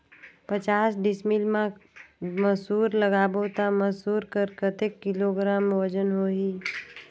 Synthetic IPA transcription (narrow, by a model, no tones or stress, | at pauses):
pət͡ʃaːsɖɪsmilmã | məsuːɾləɡaːbot̪aməsuːɾkəɾkət̪ekːɪloːɡɾaːmʋəd͡ʒənɦoːɦiː